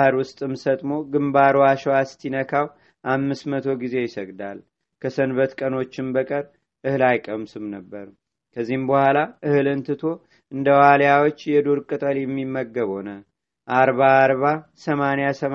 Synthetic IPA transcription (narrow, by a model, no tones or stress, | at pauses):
həɾwʊst̪ʼɨmsət̪ʼmo̞ɡɨmbaɾoaʃɛwast̪ʰinəkʰaw | ʔamːɨsmət̪ʰo̞ɡize̞jɪsəɡd̪al | kʰəsənβət̪kʼəno̞t͡ʃːɪmbəkʼəɾ | ʔɨhɨlajkʼəmsɨmnəbːəɾu | kʰəzːihɨmbəhʷalaʔɨhɨlɨnt̪ʰɨt̪ʰo̞ | ʔɨnd̪əwaljawot͡ʃːjɛd̪oɾkʼɨt̪ʼəljɛmːimːəɡːəβho̞nə | ʔaɾβaːɾβasəmanjasəm